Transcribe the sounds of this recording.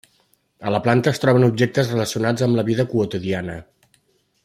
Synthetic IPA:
ələplant̪əːst̪ɾɔβ̞ənubʒek̚t̪əzrələsiunad͡zəmləβiðəkuət̪uðianə

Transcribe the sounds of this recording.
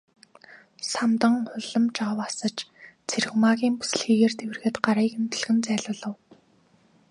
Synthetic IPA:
samt̪ə̆ŋχʊɮə̆mt͡ɕaːwasə̆t͡ɕt͡sʰeɾ̆xmaːɣʲiːmpu̥s̆ɮxiːɣeːrt̪ewɘrɣɘ̆t̪ɢaɾiːkɵmt̪ɵ̆ɮɣɘ̆nt͡sæːɮʊːɮə̆w

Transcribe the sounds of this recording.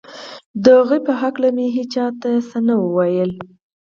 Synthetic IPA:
d̪əɣujpəɦaklameɦet͡ʃɑt̪asənawəwajəl

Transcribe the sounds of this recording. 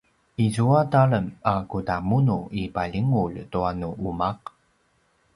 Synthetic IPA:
izuataɭəmakutamunuipaʎiŋuɭtuanuʔumaq

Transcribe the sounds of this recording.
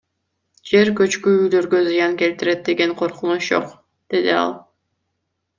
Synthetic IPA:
d͡ʒe̞ɾkø̞t͡ʃkyyjlø̞ɾɡø̞zɨjɑŋke̞lt̪ɪɾe̞t̪̚d̪e̞ɡe̞ŋqʰo̞ɾqunuʃd͡ʒo̰q | d̪̥e̞d̪iɑ̰lˠ

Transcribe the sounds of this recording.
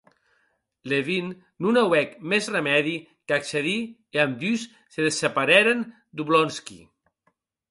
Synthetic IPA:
leβin | nunawɛkmezremɛði | kakseði | eamd̪ysːeðesepaɾɛɾen | d̪uβlɔnskḭ

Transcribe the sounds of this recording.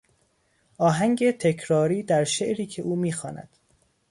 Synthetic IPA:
ʔɒːɦæŋɟe̞t̪ʰe̞cʰɾɒːɾiːd̪æɾʃeʔɾiːcʰe̞ʔuːmiːxɒːnæ̰d̪̥

